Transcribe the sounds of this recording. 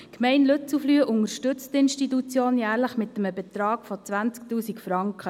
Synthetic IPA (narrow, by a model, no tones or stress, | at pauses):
kmɛɪnlɵt͡suflyːəʔʊŋəɾʃtɵt͡st̪ɪnʃtit̪ut͡sjoːnjæːɾləχmɪt̪ːəməbɛt̪ɾɑːɡ̥fot͡sʋænt͡sk̚tuːsikfɾɑŋkχə